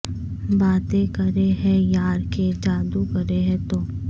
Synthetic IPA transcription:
baːt̪ẽkɐɾeɦɛ̃jaːɾked͡ʒaːd̪ukɐɾeɦɛ̃t̪oː

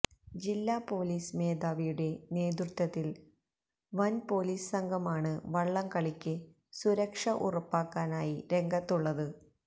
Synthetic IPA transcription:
d͡ʑilːaːpo̞ːliːsme̞ːðaːʋijuɽe̞ne̞ːd̪rɨt̪ːɐt̪ːil | ʋɐnpo̞ːliːssɐŋɡʱɐmaːɳɨʋɐɭːɐmkɐɭikʲːɨ | suɾɐkʂɐʔurɐpːaːkːaːnaːjiɾe̞ŋɡɐt̪ːuɭːɐðɨ

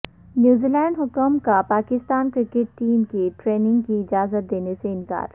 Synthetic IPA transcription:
njuːziːlɛ̃ːɳɖɦʊkəmkapaːkɪst̪aːnkɾɪkɪʈːiːmkiʈɾeːnɪ̃ŋɡkiɪd͡ʒaːzət̪̚d̪eːneseɪnka̰ːɾ

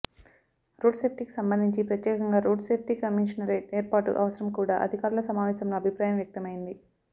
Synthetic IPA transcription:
ɾoːɖseːp̚ʰʈiki̥sɐmbɐnd̪ʱiɲt͡ʃipɾɐt̪jɛːkɐŋɡaːɾoːɖseːp̚ʰʈikɐmːinʂɐnɐɾeːʈeːɾpaːʈṵʔɐ̰ʋɐsɐɾɐmkuːɽaːʔɐ̰d̪ʱikaːɾulɐsɐmaːʋɛːsɐmloːɐbʱipɾaːjɐmjɐk̚t̪ɐmɐjind̪i

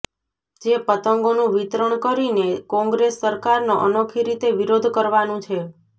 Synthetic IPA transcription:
d͡ʒepət̪əŋɡonũʋit̪ɾəɳ̃kəɾinekɔ̃ŋɡɾesːəɾkaɾnoʔənokʰiɾit̪eʋiɾod̪ʱkəɾʋanũt͡ʃʰe

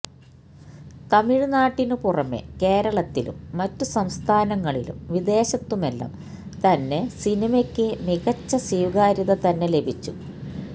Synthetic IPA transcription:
t̪ɐmiɻnaːʈːinɨpurɐme̞̰ke̞ːɾɐɭɐt̪ːilṵmːɐtːusɐmst̪ʰaːnɐŋːɐɭilṵmʋid̪e̞ːɕɐt̪ːume̞lːa̰m | t̪ɐnːe̞sinimekʲːɨmiɣɐt͡ɕːɐsiːjɡaːɾiðɐt̪ɐnːe̞le̞bʱit͡ɕːu

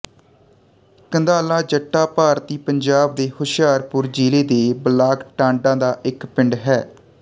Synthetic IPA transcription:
kənd̪aːlaːd͡ʒəʈːaːpaːɾt̪iːpəɲd͡ʒaːb̚d̪eːhʊʃjaːɾpʊɾd͡ʒiːleːd̪eːbəlaːkʈãːɳɖãːd̪aːʔɪkpɪɳɖɦɛː

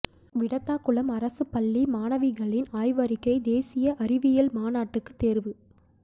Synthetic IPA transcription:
ʋɪɽɐt̪ːaːkːɯɭɐmɐɾɐsɯpɐɭːimaːnɐʋɪɣɐɭɪnaːjʋɐɾɪkːɐɪd̪eːsɪjɐʔɐɾɪʋɪjɐlmaːnaːʈːɯkːɯ̥t̪ːeːɾʋɯ

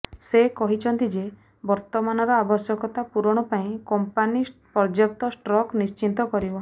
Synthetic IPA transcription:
sekɔɦit͡ʃʰɔnt̪id͡ʒe | bɔɾt̪ɔmanɔɾɔabɔsjɔkɔt̪apuɾɔɽ̃ɔpaĩkɔmpanisʈpɔɾd͡ʒɔk̚t̪ɔsʈɾɔknist͡ʃint̪ɔkɔɾibɔ

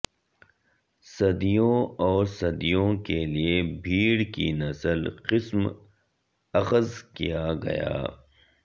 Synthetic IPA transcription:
sɐd̪ijõɔːɾsɐd̪ijõkeliebʱiːɽkḭnɐsəlqɪsm | ɐxəzkḭjaɡɐ̰ja̰ː

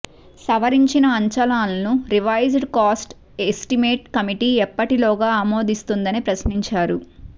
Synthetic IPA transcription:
sɐʋɐɾiɲt͡ʃinɐːɲt͡ʃɐlaːlɐnuɾiʋɐjd͡ʒɖkaːsʈ | esʈimeːʈkɐmiʈiːɛpːɐʈilɔːɡaːaːmoːd̪ist̪und̪ɐnipɾɐʃniɲt͡ʃaːɾu

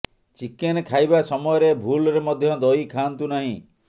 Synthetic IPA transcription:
t͡ʃikenkʰajbasɔmɔjɔɾebʱulɾemɔd̪ʱjɔd̪ɔikʰant̪unaɦĩ

